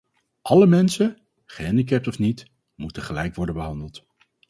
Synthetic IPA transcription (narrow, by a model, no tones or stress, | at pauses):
ʔɑləmɛnsə | χəɦɛndik̬ɛp̚tɔfnit | mutəχəlɛjkʋɔɹdənbəɦɑndəlˠt